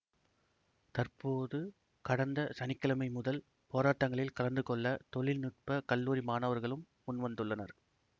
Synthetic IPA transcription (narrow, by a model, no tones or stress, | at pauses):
t̪ɐrpoːðɯ | kɐɽɐnd̪ɐsɐnɪkːɐlɐmɐɪmʊðɐl | poːɾaːʈːɐŋɡɐɭɪlkɐɭɐnd̪ɯkɔɭːɐt̪ɔɭɪlnɪʈ̚pɐkɐlːuːɾimaːnɐʋɐɾɣɐɭɯmːʊnʋɐnd̪ɯɭːɐnɐ̰ɾ